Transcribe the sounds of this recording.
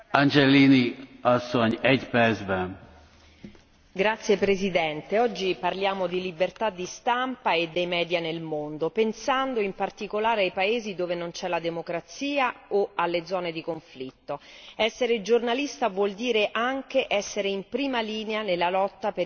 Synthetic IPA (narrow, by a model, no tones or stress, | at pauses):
and͡ʒɛliniɒsːoɲɛɟpɛrd̪zbɛn | ɡɾat̪sːjepɾezid̪ɛnt̪eɔd͡ʒːiparljaːmod̪ilibert̪ad̪ːist̪ampaed̪ːejmɛːd̪janelmond̪opensand̪oimpart̪ikolaːɾeajpaeːzid̪oːvenont͡ʃɛlad̪emokɾat̪siːaoalːed̪zɔːned̪ikoɱflit̪ːoɛsːeɾed͡ʒornalist̪avwɔld̪iːɾeʔaŋk̟eʔɛsːeɾeimpɾiːmaliːneanelːalɔt̪ːape